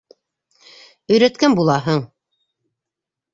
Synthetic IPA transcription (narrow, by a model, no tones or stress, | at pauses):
ɵ̆jɾæt̪kænbulˠɑɦɤɴ